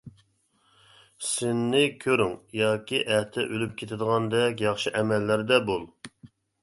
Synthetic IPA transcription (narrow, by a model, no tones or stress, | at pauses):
sɪnːɪkʲʰøɾyŋjɑːkʲiʔɛht̪ʰɛʔølyp̚kʲʰet̪ʰɪd̪əʁɑnd̪ɛkʲjɑχʃɨʔɛmɛlːæɾd̪ɛbolˠ